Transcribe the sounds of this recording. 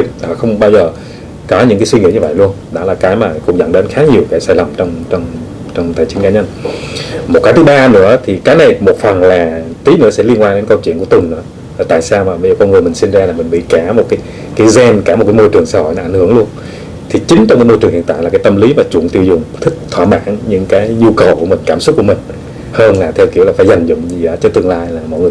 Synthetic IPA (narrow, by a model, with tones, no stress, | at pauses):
ɗɔ˨˩xə˧wŋ͡mɓaː˧wzəː˨˩ | kɔ˨˦ɲɨ̰˧˥ŋkaː˨˦jswi˧ŋḭ˧˥əɲɨ˧və̰˧˨jlu˧ənɗɔ̰˨˦˥laː˨˩kaː˨˦jmaː˨˩kʊ̰˧˥ŋ͡mɲə̰˧˥nɗe˨˦nxaː˨˦ɲi˨˩əwkaː˨˦jsaː˧˩jlə˨˩mt͡ɕɔ˧wŋ͡mt͡ɕɔ˧wŋ͡m | t͡ɕɔ˧wŋ͡mt̪ʰəː˨˩jt͡ɕi˨˦nkaː˨˦ɲə˧n | mo˨˩t̚kaː˨˦jt̪ɨ˨˦ɓaː˧nɨ̰˧˥ət̪ʰi˨˩kaː˨˦jna˨˩jmo˨˩t̚fə˨˩nlaː˨˩t̪i˨˦nɨ̰˧˥əsɛ̰˧˥li˧ənkwaː˧ɗe˨˦nkə˧wt͡ɕwənku˧˩ət̪ʊ˨˩nnɨ̰˧˥ | aː˨˩t̪a̰ː˧˨jsaː˧wmaː˨˩ɓə˧jzəː˨˩kɔ˧nŋɨ˨˩mï˨˩ŋ̟si˧nzaː˧laː˨˩mï˨˩ŋ̟ɓḭ˧˨kaː˧˩mo˨˩t̚kaː˨˦j | kiː˨˦jzɛ˧nkaː˧˩mo˨˩t̚kːaː˨˦jmo˧jt͡ɕɨ˨˩əŋsaː˧ho̰˧˨jnɔ˨˧a˧˩ŋhɨ˧˩əŋlu˧ən | t̪ʰi˨˩t͡ɕï˨˦ŋ̟t͡ɕɔ˧wŋ͡mkaː˨˦jmo˧jɨ˨˩əŋhḭ˧˨nt̪a̰ː˧˨laː˨˩kaː˨˦jt̪ə˧mli˨˦mvaː˨˩t͡ɕu˧˩ənt̪i˧wzʊ˨˩ŋ͡mt̪ʰï˦˥k̟̚t̪ʰwa̰ː˧˩ma̰ː˧˩˥nɲɨ̰˧˥ŋkaː˨˦jɲu˧kə˨˩wku˧˩əmï˨˩ŋ̟kaː˧˩msʊ˦˥k͡p̚ku˧˩əmï˨˩ŋ̟ | həː˧nlaː˨˩t̪ʰɛ˧wki˧˩əwlaː˨˩faː˧˦jza˨˩jŋ̟zʊ̰˧˨ŋ͡mzi˨˩˨a˨˦t͡ɕɔ˧˩t̪ɨ˧əŋlaː˧jlaː˨˩mɔ̰˧˨jŋɨ˨˩